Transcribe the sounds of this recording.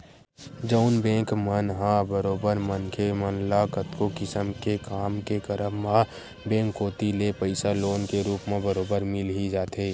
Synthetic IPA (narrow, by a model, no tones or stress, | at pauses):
d͡ʒəʊnbẽːŋkmənɦãbəɾoːbəɾmənkʰemənlakət̪kokɪsəmkekaːmkekəɾəːã | bẽːŋkːoːt̪ilepəɪsaloːnkeɾuːpmẽbəɾoːbəɾmɪlɦid͡ʒaːt̪eː